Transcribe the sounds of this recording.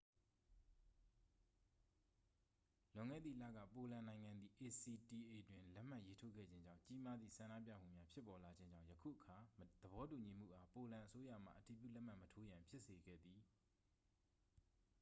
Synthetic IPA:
lʊ̃˦˨ŋɛ̰˦˨d̪ðḭ˦˨lä̰˦˨ɡä̰˦˨po˨lã˨nã˨ɪ̃ŋã˨nd̪ði˨ʔe˨si˨ti˨ʔe˨twɪ̃˨lɛ˦ʔm̥a˦ʔje˦tʰo˦ɡɛ̰˦˨d͡ʑɪ̃˦ɲd͡ʑã̰˦˨ʊ̃t͡ɕi˦ma˦d̪ðḭ˦˨sʰã˨ndä̰˦˨pja̰˦˨m̥ṵ˦˨mja˦pʰjɪ˦pːɔ˨la˨d͡ʑɪ̃˦ɲd͡ʑã̰˦˨jəkʰṵ˦˨ʔəkʰa˨d̪̥əbɔ˨˦tu˨ɲi˨m̥ṵ˦˨ʔa˨po˨lã˨ʔəso˦ja̰˦˨m̥a̰˦˨ʔəti˨pjṵ˦˨lɛ˦ʔm̥a˦˨mətʰo˦jã˨mpʰjɪ˦ʔse˨ɡɛ̰˦˨d̪i˨

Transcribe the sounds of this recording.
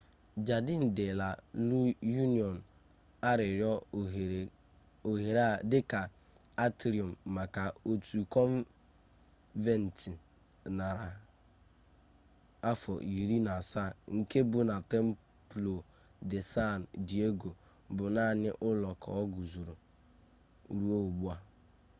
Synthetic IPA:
d͡ʒa˨dɪ˦n̩˨dɪ˨la˨lu˦ju˦ni˨ɔ˨n̩˨ | a˦ɾɪ˨ɾjɔ˦˨ | o˨ɦe˨ɾa˦dɪ˦ka˨ | a˦tɾi˨ɔ˨m̩ː˨a˨ka˨o˨tu˨kɔ˦n˦ | ve˨n̩˨ti˨ | na˨ɾa˨ | a˦fɔ̰˨ʔi˨ɾi˦na˨sa˦˨ŋ̩˨ke˦bʊ˨na˨te˦m̩˦ | plo˨ | de˨sa˦˨n̩˨di˨e˦ɡo˨ | bʊ˨na˦˨nɪ˦ʔʊ˦lɔ˨kʰɔ̰˨ɔ˦ɡu˨zu˨ɾo˨ | ɾu˦o˦˨ɡ͡bu˦a˦

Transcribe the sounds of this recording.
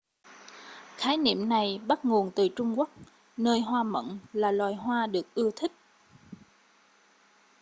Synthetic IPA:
xaː˨˦jnḭ˧˨əmna˨˩jɓa˦˥t̚ŋu˨˩ənt̪ɨ˨˩t͡ɕʊ˧ŋ͡mku˦˥ək̚ | nəː˧jɦwaː˧mə̰˧˨nlaː˨˩lwaː˨˩jɦwaː˧ɗɨ˨˩ək̚ʔɨ˧ət̪ʰï˦˥k̚

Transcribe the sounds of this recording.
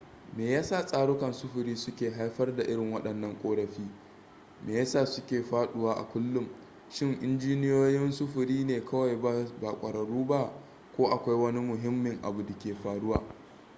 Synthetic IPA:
meː˨jaː˦saː˦˨sʼaː˨ɽʊ˦kɐ˨nsʊ˦ɸʊ˨ɾiː˦sʊ˦kʲeː˨ɦa˦jɸɐ˦rda˨ʔɪ˦ɽɪ˨ŋwɐ˦ɗɐ˨nːɐ˦ŋkʷʼoː˦ɽɐ˨ɸiː˦ | meː˨ja˦saː˦˨sʊ˦kʲeː˨ɸaː˦ɗʊ˦waː˦ʔa̰˨kʷʊ˦lːʊ˦m | ʃɪ˦˨ŋʔɪ˦nd͡ʒiː˦nɪ˦joː˦jɪ˦nsʊ˦ɸʊ˨ɾiː˦neː˨kʰɐ˦wa˨ja˦baː˨kʷʼɐ˨ɽɐ˨ɽuː˦ba˦ | kʷoː˦ʔa˨kʷa˦jwɐ˦ni˦mʊ˨ɦɪ˦mːɪ˨ŋʔa̰˨bu˨da˨kʲeː˨ɸaː˨ɽʊ˦wa̰ː˨

